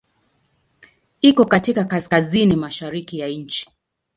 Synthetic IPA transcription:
ikɔkatikakaskazinimaʃaɾikijaɲ̩t͡ʃi̥

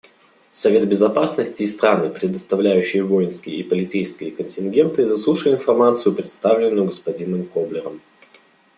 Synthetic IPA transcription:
sɐvʲe̞t̪̚bʲɪzɐpasnəsʲtʲɪːst̪ɾanɨpɾʲɪd̪əst̪ɐvlʲæjʉɕːɪjəvo̞jɪnskʲɪjəipəlʲɪtt͡sʲejskʲɪjəkənʲtʲɪnɡʲe̞nt̪ɨzɐslˠuʂəjɪɪnfɐrmat̪sɨjʊpɾʲɪt̪st̪avlʲɪnːʊjʊɡəspɐdʲinɨmkoblʲɪɾəm

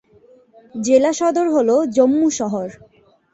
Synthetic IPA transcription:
d͡ʑelaʃɔd̪oɾɦolod͡ʑomːuʃɔɦoɾ

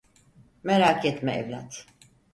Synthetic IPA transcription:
mɛɾakjɛt̪mɛʔɛ̰vla̰t̪

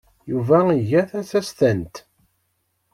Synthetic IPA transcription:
juvæiʝæθæsæst̪ənt̪

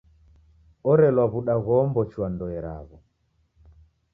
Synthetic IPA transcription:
ɔɾɛlwaβuɗaɣɔmbɔt͡ʃwandɔɛɾa̰βɔ

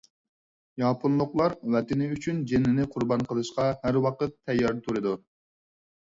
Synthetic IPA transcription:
jɑpʰunlˠʊqlˠɑɾwɛt̪ɪnɪyt͡ʃʰynd͡ʒenːɪnɪqʰʊɾbɑnqʰəlˠɨʃqɑhæɾwɑqət̪ʰːɛjːɑɾt̪ʰuɾɨd̪u

